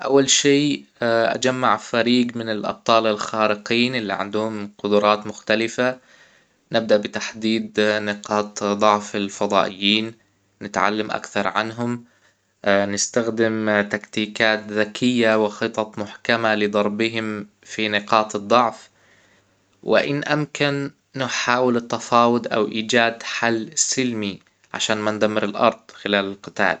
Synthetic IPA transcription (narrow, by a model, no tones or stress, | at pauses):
ʔawːalʃeːʔa̰d͡ʒamːaʕfaɾiːɡmɪnɪlʔɑ̰b̚t̪ˤɑːlɪlxaːɾɪqiːnʔɪlːḭʕɪ̰nd̪ʊhʊmqʊd̪ʊɾˤɑːt̪mʊxt̪alɪfa | nɪb̚d̪aʔbɪt̪aħd̪iːd̪nɪqɑːt̪ˤd̪ˤʊʕfɪlfɑd̪ˤɑ̰ːʔɪjːiːn | nɪt̪ʕa̰lːamʔa̰kθɑɾˤʕa̰nɦʊm | nɪst̪axd̪ɪmt̪akt̪iːkaːt̪ðakʰɪjːawɪxɨt̪ˤɑt̪ˤmʊħkamalɪd̪ˤɑɾˤbɪɦɪm | finɪqɑːt̪ɨd̪ˤːɑʕf | wɪ̰ʔɪnʔamkanː | ɪħaːwɪlɪt̪ːafɑːwʊd̪ʔa̰wʔiːd͡ʒaːd̪ħalːsɪlmi | ʕa̰ʃaːnmand̪amːɪɾɪlʔɑ̰ɾˤd̪̥̚ˤxɪlaːlɪlqɪt̪a̰ːl